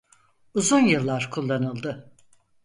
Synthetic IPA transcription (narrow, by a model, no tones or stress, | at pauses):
uzunjɯlˠːaɾkʰulˠːanɯlˠd̪ɯ